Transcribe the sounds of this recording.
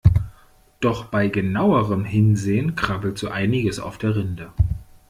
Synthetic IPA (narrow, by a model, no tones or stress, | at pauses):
d̥ɔχb̥aɪɡənaʊəʁəmɦɪnzeːənkʁ̥abl̩tz̥oːʔaɪnɪɡəsa̰ʊfd̥eːɐʁɪndə